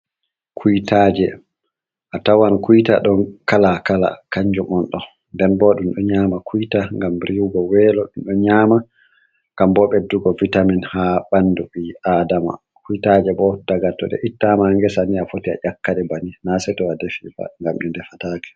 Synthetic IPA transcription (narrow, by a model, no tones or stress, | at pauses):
kʰujtad͡ʒɛ | ʔatawankujta̰ɗɔnkalakala̰kaɲd͡ʒumɔnɗɔ | ndɛnbɔɗumɗɔɲamakʰujtaŋɡamɾiwɡɔwɛlɔɗumɗɔɲama | ŋɡambɔɓɛduɡɔvitaminhaɓanːduɓiadama̰ | kujtad͡ʒɛbɔd̥aɡatːɔɗɛ̰ʔitːamaŋɡɛsaniafotia̰ʔakːaɗɛbaninasɛtɔadefifa̰ŋɡamɗɛndɛfataːkɛ̥